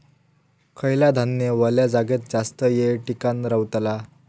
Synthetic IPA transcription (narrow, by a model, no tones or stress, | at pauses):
kʰəjlad̪ʱanjəʋəljad͡zaɡet̪̚d͡zast̪əjeʈikanɾəwt̪la